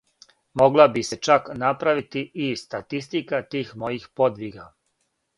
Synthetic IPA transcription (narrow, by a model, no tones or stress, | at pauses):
mo̞ɡlabise̞t͡ʃaknapɾaʋit̪iʔist̪at̪ist̪ikat̪iːxmo̞jixpo̞d̪ʋiɡa